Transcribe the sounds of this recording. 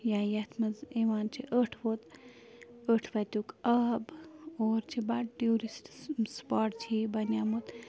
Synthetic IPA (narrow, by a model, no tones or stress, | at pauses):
jãːjɐt̪ʰmɐziʋaːnt͡ʃʰiʔəʈʰʋot̪ | əʈʰʋɐt̪ʲukɐːboːɾt͡ʃʰibɐʈʈuːɾisʈspaːʈt͡ʃʰibɐnjaːmut̪